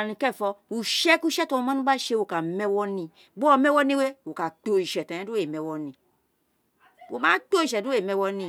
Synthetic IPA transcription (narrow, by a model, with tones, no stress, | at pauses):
nĩ˧kɛ˦˨fɔ˧u˨ʃɛ˦ku˦ʃɛ˦tɔ˧o˧mã˦nũ˦ba˦ʃe˧˦wo˨ka˨mɛ˦wɔ˦nĩ˧ | bɔ˧˨mɛ˦wɔ˦nĩ˦we˦wo˨ka˨k͡po˧i˨ʃɛ˨tã˨ɛ̃˦du˦e˨mɛ˨wɔ˦nĩ˨ | o˨ma˦k͡po˦i˨ʃɛ˨du˦e˨mɛ˧˦wɔ˦nĩ˧˨